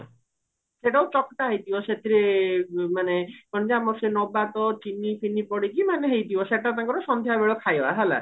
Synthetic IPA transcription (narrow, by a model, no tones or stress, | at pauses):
seʈawt͡ʃɔkʈ̪aɦajt̪ibɔset̪ʰiɾemanekɔnd͡ʒaamɔɾsenɔbat̪ɔt͡ʃinipʰinipɔɽikimaneɦejt̪ibɔseʈat̪ãŋkɔɾɔsɔnd̪ʱjabeɭɔkʰajɔaɦɛla̰